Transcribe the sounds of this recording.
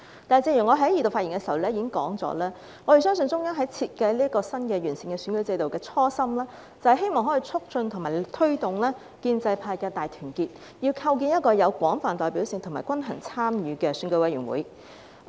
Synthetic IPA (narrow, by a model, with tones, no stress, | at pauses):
t̪aː˨t͡siː˧jyː˨˩ŋɔː˨˧ɦɐ˨˥jiː˨˩t̪o˨wfa˧t̚ji˨˩ŋkɛː˧si˨wlɛː˥ji˨˧kɪ˥ŋkɔ̰ː˨˥ŋt͡sɔ̰ː˨˥lɛː˥ | ŋɔ˨˧ɾe˨˩sœː˥ŋs̬ɵ˧nt͡sʊ˥ŋja˥ŋɦɐ˨˥jt͡sʰiː˧t̚kɐ˧jliː˥ɐ˥kɔː˧sɐ˥nkɛː˧jyː˨˩nsɪ˨ŋkɛː˧syː˨˥nkɵ˨˥ɥt͡sɐ˧jt̪o˨wkɛː˧t͡sʰɔː˥sɐ˥mlɛː˥ | t͡sɐ˨whjɦe˥jmɔː˨ŋɦɔː˨˥ji˧˨˧t͡sʰʊ˥k̚t͡ʃɵ˧nt̪ʰʊ˨˩ŋmaː˨˩t̪ʰɵ˥ɥt̪ʊ˨ŋlɛː˥ | kiː˧nt͡sɐ˧jpʰaː˧jkɛː˧t̪aː˨jt̪ʰyː˨˩nkiː˧t̚ | jiː˧wkʰɐ˧wk̬iː˧njɐ˥t̚kɔː˧jɐ˨˧wkʷɔː˨˥ŋfaː˨nt̪ɔː˨˩jpi˨˥wsɪ˨ŋt̪ʰma̰ː˨˩jkwɐ˥nɦɐ˨˩ŋt͡sʰaː˥mjyː˨˧kɛː˧sy˨˧˥kɵ˧˥wɐ˨˥jɥyː˨˩wṵ˨˥j